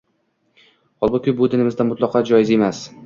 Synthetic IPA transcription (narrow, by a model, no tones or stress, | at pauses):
hɒlˠbʊkʲʰʊbʊd̪ɪnɪmɪzd̪anmʊt̪lˠɒqʰɑd͡ʒɒjɪze̞mas